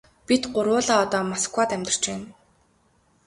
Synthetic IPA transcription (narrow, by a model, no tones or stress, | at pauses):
pit̪ɢʊɾwʊːɮaːɔt̪ɔːmaskwaːt̪æmʲt̪ə̆r̥t͡ɕpæːn